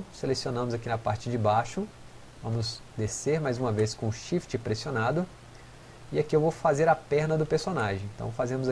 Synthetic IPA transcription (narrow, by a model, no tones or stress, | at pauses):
selesionɐ̃mʊzakinɐpaɾt͡ʃɪd͡ʒɪbaʃʊ | vɐ̃mʊzd̪eseɾmajzũmɐveskõʊʃift͡ʃɪpɾesionad̪ʊ | iakiewvowfazeɾɐpɛɾnɐd̪ʊpeɾsonaʒẽj̃ẽnt̪ɐ̰̃w̃fazẽmʊza